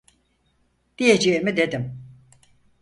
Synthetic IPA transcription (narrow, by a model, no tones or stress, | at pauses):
d̪̥ijed͡ʒeːmid̪e̞d̪im